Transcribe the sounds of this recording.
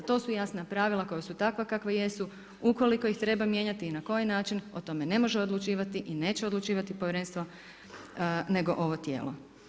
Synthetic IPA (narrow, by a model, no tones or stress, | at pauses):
t̪o̞ːsujasnapɾaːʋilˠako̞jasut̪akʋakakʋaje̞su | uko̞liko̞ixt̪ɾe̞bamje̞ːɲat̪iːnako̞jinaːt͡ʃinot̪o̞me̞ne̞mo̞ʒeo̞d̪lˠut͡ʃiːʋat̪iʔine̞ːt͡ɕeod̪lˠut͡ʃiːʋat̪ipoʋjeɾe̞nst̪ʋo | ne̞ɡo̞ʔo̞ʋo̞t̪je̞ːlo̞̰